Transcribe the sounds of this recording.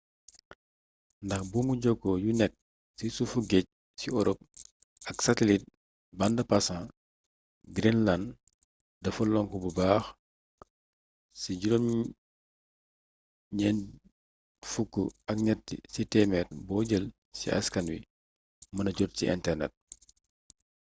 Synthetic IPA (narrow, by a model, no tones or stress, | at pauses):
ndɐxbumuɟɔɡɔjunɛk̚ | sisufuɡɛc̚ | siɔɾɔp̚ | ɐksɐtɛlit̚ | bɐndɐpasã | ɡɾinland | dɐfɐlɔŋkububaːx | siɟulom | ɲɛn | fukːuɐk̚ɲɛtːḭsitɛːmɛt̚bɔːɟəl | sḭʔɐ̰skɐnwi | mɐnɐɟɔt̚sḭʔɛ̰ntɛrnɛ̰t̚